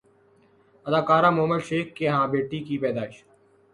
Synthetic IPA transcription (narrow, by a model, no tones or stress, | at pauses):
əd̪aːkaːɾãːmoːməlʃeːkːeːɦãːbeːʈiːkipɛːd̪aːɪʃ